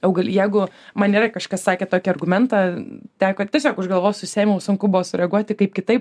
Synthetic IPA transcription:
ɐʊɡɐlʲjɛɪɡʊ | mɐnʲiːrɐkɐʃkɐssɑːkʲeːt̪oːkʲiɐrɡʊmʲɛnt̪ɑt̪ʲæːkoːtʲiɛsʲoːkʊʒɡɐlˠʋoːjsʊsʲeːmʲɛʊsʊŋkʊbʊʋoːsʊɾʲɛɐɡuɔt̪ʲɪkɐɪpkʲɪt̪ɐɪp

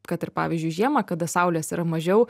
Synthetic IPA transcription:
kɐt̪ɪɾpɑ̰ːʋʲiːzʲd͡ʒʲʊɪʒʲiɛmɐkɐd̪ɐsɐˑʊlʲeːsiːɾɐmɐʒʲɛʊ

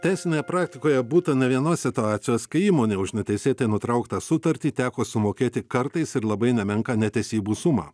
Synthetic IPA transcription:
t̪ʲæɪsʲɪnʲeːjɛpɾɑːkt̪ʲɪkoːjɛbuːt̪ɐnʲɛʋʲiɛnoːsʲsʲɪt̪ʊɑːt̪sʲɪjoːskɐɪiːmoːnʲeːʊʃnʲɛt̪ʲɛɪsʲeːt̪ɐɪnʊt̪ɾɐʊkt̪ɑsʊt̪ɐɾʲt̪ʲiːt̪ʲæːkoːsʊmoːkʲeːt̪ʲɪkɐɾt̪ɐɪsɪɾlˠɐbɐɪnʲɛmʲɛŋkɐnʲɛt̪ʲɛsʲiːbuːsʊmɑ̰ː

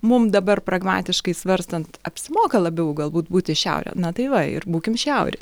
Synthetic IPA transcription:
mʊmd̪ɐbɐrpɾɐɡmɑ̰ːt̪ʲɪʃkɐɪsʋɐɾst̪ɐnt̪ɐpʲsʲɪmoːkɐlˠɐbʲɛʊɡɐlˠbuːt̪buːt̪ʲɪʃʲɛ̰ʊɾʲɛ̰nɐt̪ɐɪʋɐɪ̰rbuːkʲɪmʃʲɛʊɾʲɪ

